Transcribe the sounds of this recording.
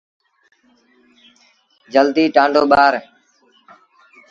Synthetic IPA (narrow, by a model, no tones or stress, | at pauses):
d͡ʒəld̪iːʈãːɳɖoːɓaːɾ